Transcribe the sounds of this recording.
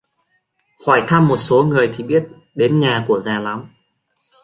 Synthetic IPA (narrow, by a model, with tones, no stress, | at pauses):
hwɔ˧˩jt̪ʰa˧mːo˨˩t̚so˨˦ŋɨ˨˩əjt̪ʰi˨˩ɓi˦˥ət̚ | ɗe˨˦nɲaː˨˩ku˧˩əzaː˨˩la˨˦m